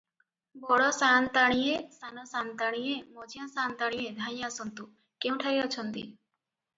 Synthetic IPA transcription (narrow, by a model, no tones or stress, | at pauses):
bɔɽɔsant̪aɽ̃ijesanɔsant̪aɽ̃ijemɔd͡ʒijãsant̪aɽ̃ijed̪ʱaj̃jãsɔnt̪u | kew̃ʈʰaɾiɔt͡ʃʰɔnt̪ḭ